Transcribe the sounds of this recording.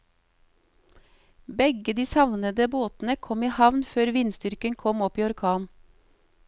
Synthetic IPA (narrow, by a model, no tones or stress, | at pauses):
bɛɡəd̪iːsɑʋnəd̪əboːt̪n̩əkʰɔmiːhɑʋnføːɾʋɪnst̪ʏɾkəŋkʰɔmɔpiːɔɾkʰɑːn